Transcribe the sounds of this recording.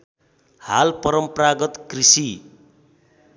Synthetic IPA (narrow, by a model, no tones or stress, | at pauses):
ha̰lpʌɾʌmpraɡʌt̪krisi